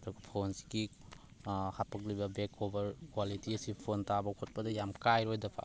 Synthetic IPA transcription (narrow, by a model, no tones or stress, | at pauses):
dɔkpʰonsi̥ɡi | hapɐk̬̚libɐbekʰobɐɾkwalitiɐsipʰontabɐkʰot̚pɐdɐjamkajɾojdɐpʰa̰